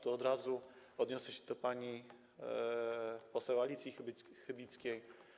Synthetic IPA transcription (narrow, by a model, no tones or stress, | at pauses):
t̪uɔd̪ɾazu | ɔd̪ɲɔsɛɕɛ̥d̪ɔpaɲi | pɔsɛwalʲit̪sʲjixɘbʲit̪skʲej